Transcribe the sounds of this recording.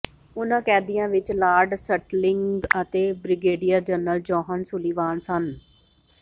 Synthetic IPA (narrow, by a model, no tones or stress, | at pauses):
ʊnãːkɛːd̪ijãːʋɪt͡ʃlaːɾɖsəʈlɪŋɡɡət̪eːbɾɪɡeːɖijəɾd͡ʒənəld͡ʒɔːɦənsʊliːʋaːnsən